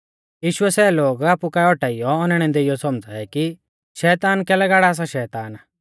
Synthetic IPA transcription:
jiːʃʊɛsɛːloːɡaːpukaɔʈaːijɔɔnɛɽ̃ɛ̃nd̪eɪjɔsɔmd͡zʱaɛki | ʃɛːt̪aːnkɛːlɛɡaːɽaːs̬aʃɛːt̪aːn

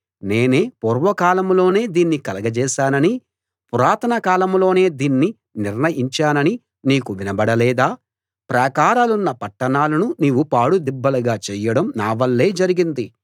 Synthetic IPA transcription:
neːne̞ːpɔɾʋɐkaːlɐmlo̞ːne̞ːd̪iːnːikɐlɐɡɐd͡ʒɛːʃaːnɐni | puɾaːt̪ʰɐnɐkaːlɐmlo̞ːne̞ːd̪iːnːi | niɾnɐjiɲt͡ʃaːnɐni | niːkuʋinɐbɐɽɐlɛːd̪aː | pɾɐːkaːɾaːlunːɐpɐʈːɐnaːlɐnuniːʋupaːɽud̪ibːɐlɐɡaːt͡ʃɛːjɐɽɐmnaːʋɐlːe̞ːd͡ʒɐɾiɡind̪i

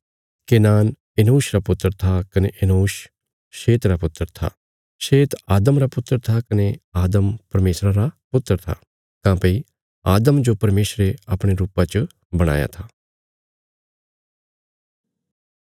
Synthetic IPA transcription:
keːnaːn | enuːʃɾapʊt̪ːəɾt̪ʰakɐneʔenuːʃ | ʃeːt̪ɾapʊt̪ːəɾt̪ʰa̰ː | ʃeːt̪aːd̪əmɾapʊt̪ːɾt̪ʰakɐneaːd̪əmpɐɾmeːsɾãɾapʊt̪ːəɾt̪ʰa̰ | kãːpɐi | aːd̪əmd͡ʒopɐɾmeːʃɾeapɽ̃eɾuːpãt͡ʃ | bɐɽ̃a̰ːja̰t̪ʰaː

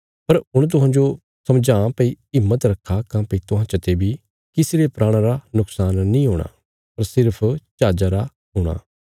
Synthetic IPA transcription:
pɐɾʊɽ̃t̪̬ʊɦãːd͡ʒo | sɐmd͡ʒãːpəi | ɪmːət̪ɾɐkʰːakãːpet̪ʊɦãːt͡ʃɐt̪ebʱi | kɪseɾepɾaːɽ̃aɾanʊksaːnːĩːɦoːɽ̃a̰ | pɐɾsɪɾpʰt͡ʃaːd͡ʒaɾa | ɦʊːɽ̃a̰ː

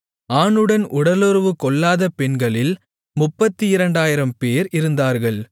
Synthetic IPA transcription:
aːɳɯɽɐnʔʊɽɐlɔɾɯʋɯkɔɭːaːðɐpɛɳɡɐɭɪl | mʊpːɐt̪ːɯɪɾɐɳɖaːjɪɾɐmpeːɾɪɾɯnd̪aːɾɣɐɭ

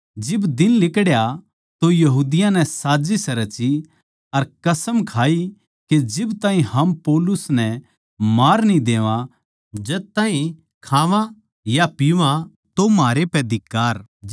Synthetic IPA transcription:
d͡ʒɪbd̪ɪnlɪkɽja | t̪ojɐɦuːd̪ɪjãnɛ̃saːd͡ʒisɛɾɐt͡ʃi | ɐɾkɐsəmkʰaːi | ked͡ʒɪbt̪aːɦĩhɐmpɔːlʊsnɛ | maːɾnĩd̪eːʋã | d͡ʒɐd̪̚t̪ãːɦĩ | kʰaːʋã | japiʋã | t̪omaːɾepɛd̪ɪkːaːɾ

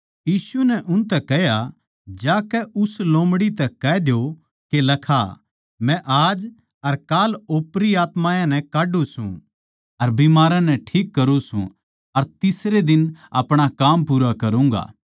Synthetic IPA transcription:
jiːsunɛʔʊnt̪ɛkɛɦja | d͡ʒaːkɛʔʊslõːmɽit̪ɛkɛd̪jo | kelɐkʰa̰ | mɛ̃ʔaːd͡ʒ | ɐɾkaːloːpɾiaːt̪mãːjãnɛ̃kaːɖusũ | ɐɾbimaːɾãnɛʈʰiːkːɐɾusṵ̃ | ɐɾt̪ɪsɾed̪ɪnɐpɽ̃akaːmpuːɾakɐɾũːŋɡa̰ː

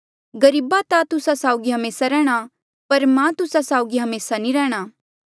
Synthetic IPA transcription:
ɡɐɾiːbat̪at̪ʊsasaːʊɡiɦɐmeːsaɾɛːɽ̃a | pɐɾmɛ̃t̪ʊsasaːʊɡiɦɐmeːsanĩɾɛːɽ̃aː

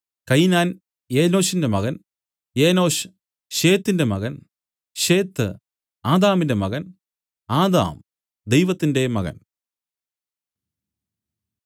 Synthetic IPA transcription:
kɐjnaːn | e̞ːno̞ːɕinde̞mɐɣɐn | jeːno̞ːɕ | ɕe̞ːt̪ːinde̞mɐɣɐn | ɕe̞ːt̪ːɨ̰ | aːd̪aːminde̞mɐɣɐn | aːd̪a̰ːm | d̪e̞jʋɐt̪ːinde̞mɐ̰ɣɐ̰n

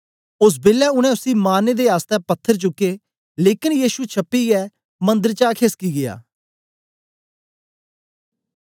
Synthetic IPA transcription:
ʊs̬beːlɛːʊñɛ̃ːʊsiːmaːneːd̪eːaːst̪ɛːpət̪ʰːəɾt͡ʃʊkːeː | leːkɪnjiːʃuːt͡ʃʰəpːiːjɛː | mə̃nd̪əɾt͡ʃaːkʰeskiːɡɪja̰ː

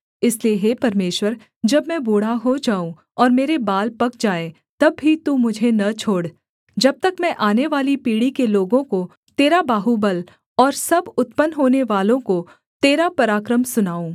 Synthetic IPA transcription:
ɪslieɦeːpɐɾmeːʃwəɾ | d͡ʒɐbmɛ̃boːɽ̤aɦod͡ʒaːũ | ɔːɾmeːɾebaːlpɐkd͡ʒaːe | t̪ɐbːit̪umʊd͡ʒʱenɐt͡ʃʰoːɽ | d͡ʒɐb̚t̪ɐkmɛ̃ʔaːneʋaːlipiːɽikeloːɡõko | t̪eːɾabaːɦubəl | ɔːɾsɐbʊt̪pənɦoːneʋaːlõko | t̪eːɾapɐɾaːkɾəmsʊnaːũː

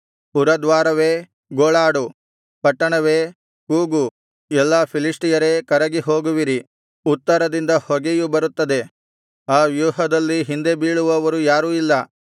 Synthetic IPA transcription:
puɾɐd̪ʋaːɾɐʋeː | ɡoːɭaːɽu | pɐʈːɐɳɐʋeː | kuːɡu | ɛlːɐpʰiliʂʈijɐɾeːkɐɾɐɡiɦo̞ːɡuʋiɾi | ut̪ːɐɾɐd̪ind̪ɐhɔɡejubɐɾut̪ːɐd̪e̞ | aːʋjuːɦɐd̪ɐlːiɦind̪e̞biːɭuʋɐʋɐɾujaːɾuːilːɐ

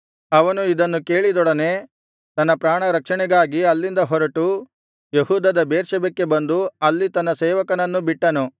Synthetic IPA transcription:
ɐʋɐnuid̪ɐnːuke̞ːɭid̪ɔɽɐne̞ | t̪ɐnːɐpɾaːɳɐɾɐkʂɐɳɛɡaːɡiɐlːind̪ɐɦɔɾɐʈu | jehuːd̪ɐd̪ɐbeːɾʃɐbekːe̞bɐnd̪uɐlːit̪ɐnːɐseːʋɐkɐnɐnːubiʈːɐnu

